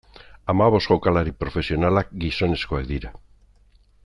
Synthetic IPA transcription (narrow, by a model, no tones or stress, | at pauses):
amaβosɣokalaɾipɾofesjonalaɡisoneskoaðiɾa